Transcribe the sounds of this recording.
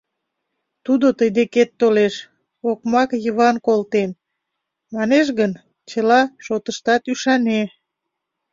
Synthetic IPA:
t̪ud̪ot̪əjd̪eket̪ːoleʃ | okmɑkjəβɑnkolt̪en | mɑneʃ̬ɣən | t͡ɕəlɑʃot̪əʃt̪ɑt̪yʃɑne

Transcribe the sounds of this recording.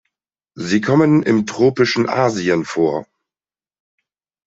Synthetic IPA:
ziːkʰɔmənɪ̰mtʁ̥oːpɪʃn̩ʔaːziənfoːɐ

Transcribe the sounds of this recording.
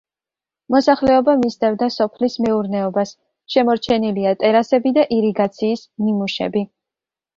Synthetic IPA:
mɔsaχlɛɔbamist̪ʼɛvd̪asɔpʰlismɛuɾnɛɔbas | ʃɛmɔɾt͡ʃʰɛniliat̪ʼɛɾasɛbid̪aʔiɾiɡat̪sʰiːsnimuʃɛ̰bi

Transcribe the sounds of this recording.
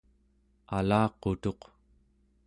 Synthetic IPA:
alɑːqot̪o̞q

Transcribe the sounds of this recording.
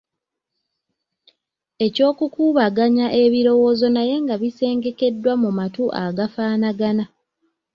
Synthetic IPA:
e̞co̞ːkukuːβaɡaɲaʔe̞βiɾo̞wo̞ːzo̞naje̞ŋɡaβise̞ːŋɡe̞ke̞dːwamumatuʔaɡafaːnaɡana

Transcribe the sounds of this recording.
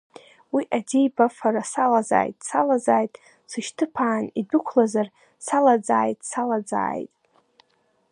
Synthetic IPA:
wiʔadejbafaɾasalaza̰ːjtʼsalazaːjtʼ | sɨʃtʰɨpʰaːnidʊkʷʰlazar | salad͡zaːjtʼsalad͡za̰ːjtʼ

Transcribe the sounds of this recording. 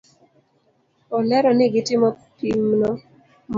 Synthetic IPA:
ɔlɛɾɔnɪɡɪtɪmɔpimnɔ | m

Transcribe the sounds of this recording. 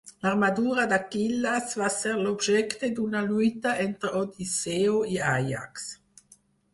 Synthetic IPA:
larmad̪uːɾad̪akilːasvasɛɾlobʒɛkt̪ed̪unalujt̪aʔɛnt̪ɾod̪iseːoiaja̰ks

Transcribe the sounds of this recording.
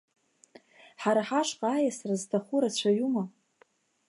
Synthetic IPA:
ħaɾaħaʂqʼaajasraztʰaχuɾat͡ɕʷʰaɥuma

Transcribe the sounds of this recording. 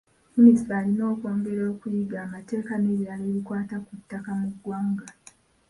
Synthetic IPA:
munisfaːlino̞ːko̞ːŋɡeɾo̞ːkujiɡaːmate̞ːkamiɾialeβikwaːtakutːakamuɡːwaːŋɡa

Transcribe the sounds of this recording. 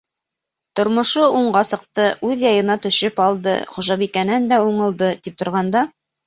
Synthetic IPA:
t̪ŏɾmŏʃouɴɢɑsɤ̆q̚t̪ɤʔʉðjɑjɤ̆nɑt̪ɵ̆ʃɘpɑlˠd̪ɤ̰χuʒɑβikænænd̪æuɴɤ̆lˠd̪ɤt̪ip̚t̪ŏɾʁɑnd̪ɑ

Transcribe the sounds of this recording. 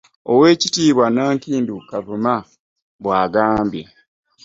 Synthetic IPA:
owe̞ːcitiːβwanaːŋkiːndukavuma | βwaːɡaːmbje

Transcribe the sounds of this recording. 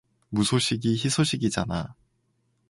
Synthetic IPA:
musʰoɕʰiɡiçisʰoɕʰiɡid͡ʑana̰

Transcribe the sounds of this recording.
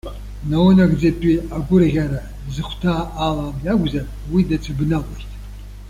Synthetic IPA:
nawnaɡd͡zapʼiaɡʷʊrʁʲaɾa | dzɨχʷtʰaːʔːlamjaɡʷzar | widat͡sʷʰabnalortʼ

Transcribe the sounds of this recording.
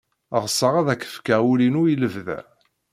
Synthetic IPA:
əʁsːəʁæðækːə̥fkæwulinujiləvðæ̰

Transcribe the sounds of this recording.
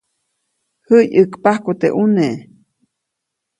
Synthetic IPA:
həjɨkpahkut̪ḛʔuneʔ

